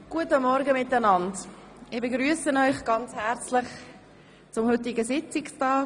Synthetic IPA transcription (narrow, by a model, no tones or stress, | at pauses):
ɡ̥uətəmɔɾɡəmɪtənɑnd | ɪbeɡɾyəsənɔʏχɡ̥ɑnt͡shɛɾt͡slɪχ | t͡sʊmhʏt̬ɪɡəsɪt͡sɪkstɑː